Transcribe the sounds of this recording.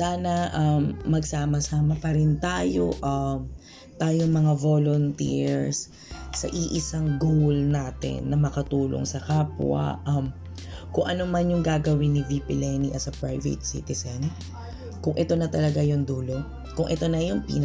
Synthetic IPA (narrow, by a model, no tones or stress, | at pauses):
saːnɐʔɐmːɐɡsaːmɐsaːmɐpɐɾɪnt̪aːjoʔɐm | t̪aːjoŋmɐŋavolont̪ḭɹs | sɐ̰ʔiʔɪsaŋɡowlnaːt̪ɪ̰nːɐmɐkɐt̪uːlo̰ŋsɐkaːpwɐ̰ʔɐm | kʊŋʔɐnomanjʊŋɡaːɡɐwɪnivipɪlɛniʔɐsɐpɹajvɛ̰t̪̚sḭt̪ɪsɛn | kʊŋʔɛt̪o̞nɐt̪ɐlɐɡajond̪uːlo̞ | kʊŋʔɛt̪o̞nɐjonpḭːn